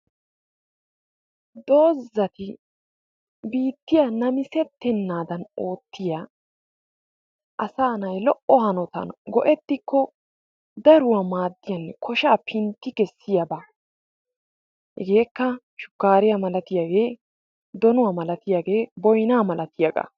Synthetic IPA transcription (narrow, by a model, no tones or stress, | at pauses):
d̪o̞ːzːɐt̪ɪ | biːt̪ːɪjɐnɐmɪsɛt̪ːɛnːaːd̪ɐno̞ːt̪ːɪja | ʔɐsaːnɐjlɔʔɔhɐnɔt̪ɐ̰nɡɔʔɛt̪ːɪkːɔ | d̪ɐɾʊwamaːd̪ːɪjɐnːɛkʰɔʃaːpʰɪnt̪ːɪkɛsːɪjɐba | hɛɡe̞ːkːɐ | ʃʊ̥kːaːɾɪjamɐlɐt̪ɪjaɡe̞ː | d̪ɔnʊwaːmɐlɐt̪ɪjaɡe̞ːbɔjnaːmɐlʔɐt̪ɪjɐɡʼɐ̰